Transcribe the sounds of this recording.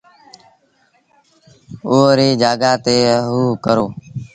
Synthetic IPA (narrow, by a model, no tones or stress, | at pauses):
oːɾiːd͡ʒaːɡaːt̪eːɦuːkəɾoː